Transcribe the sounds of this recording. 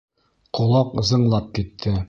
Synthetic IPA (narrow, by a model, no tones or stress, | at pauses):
qulˠɑqɤ̆zɤ̆ɴlˠɑp̚kit̪ʰːɘ